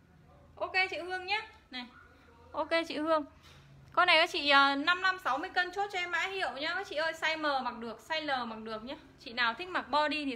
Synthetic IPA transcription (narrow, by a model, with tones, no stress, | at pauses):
ʔo˧ke˧t͡ɕḭ˧˨hɨ˧əŋɲaː˦ | na˨˩j | ʔo˧ke˧t͡ɕḭ˧˨hɨ˧əŋ | kɔ˧na˨˩jkaː˨˦t͡ɕḭ˧˨ʔəː˨˩na˧mla˧msa˨˦wmɨ˧əjkə˧nt͡ɕo˦˥t̚t͡ɕɔ˧ɛ˧mːa̰ː˧˥hḭ˧˨ə˨wɲaː˧˦ʔəː˨˦t͡ɕḭ˧˨ʔəː˧jsa˧jməː˨˩ma˨˩k̚ɗɨ˨˩ək̚sa˧jləː˨˩ma˨˩k̚ɗɨ˨˩ək̚ɲaː˧˦t͡ɕḭ˧˨naː˨˩wt̪ʰï̟˦˥ma˨˩k̚ɓɔ˧ɗi˧t̪ʰi˨˩